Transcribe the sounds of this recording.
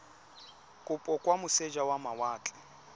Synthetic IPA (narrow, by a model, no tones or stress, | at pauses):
kʼʊpʼɔkʼwamʊsed͡ʒawamawaːt͡ɬʼɛ